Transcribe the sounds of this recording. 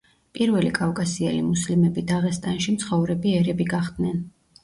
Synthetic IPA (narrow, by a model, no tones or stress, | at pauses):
pʼiɾvɛlikʼafkʼasiɛlimuslimɛbid̪aʁɛst̪ʼanʃimt̪sʰχɔvɾɛbiɛɾɛbiɡaχd̪nɛn